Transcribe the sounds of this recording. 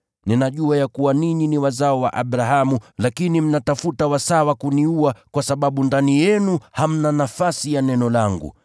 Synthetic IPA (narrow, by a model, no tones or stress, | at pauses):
ninaʄuajakuwaniɲiniwazaɔwa̰ʔaɓɾaɦamulakinim̩natafutawasawakuniuakwasaɓaɓundanijɛnuham̩nanafasijanɛnɔlaŋɡṵ